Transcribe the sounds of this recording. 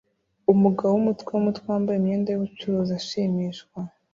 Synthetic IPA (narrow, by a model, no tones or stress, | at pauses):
umuɡawwumutkweumutkwewaːmbajemɲeːndajoβut͡ʃuɾuːzaʃiːmiʃkwa